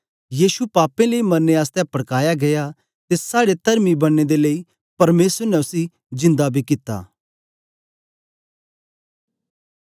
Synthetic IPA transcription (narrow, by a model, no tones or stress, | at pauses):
jiːsupaːpẽleimɐnːeaːst̪ɛ̃pɐɽkaːjaɡɐja | t̪esaːɽet̪ɐɾmibɐɽ̃ːed̪elei | pɐɾmeːsəɾnɛʊsi | zɪ̃nd̪abʱikɪt̪a̰ː